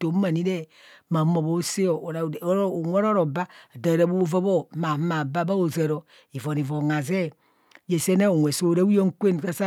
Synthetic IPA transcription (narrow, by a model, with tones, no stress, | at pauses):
to˨˦ma˨ni˦ɾe˦ | ma˨˦mo˨bo˦se˦o˨o˨ɾa˨˦o˨ŋʷe˦ɾo˦ɾo˨ba˦˨da˨ɾa˨bo˦va˦bo˦ma˨˦ma˨ba˦ba˦o˨za˨ɾo˨ | i˨vo˨ni˨vo˨ŋa˨ze˦˨ | je˨se˦ne˦o˨ŋʷe˨so˦˨ɾa˦u˦jo˦ŋ̩˦kʷe˦n˨ka˦sa˦